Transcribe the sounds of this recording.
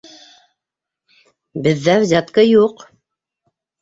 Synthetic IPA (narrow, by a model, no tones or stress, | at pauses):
bɘ̆ðːæwzʲɑt̪kɤjuq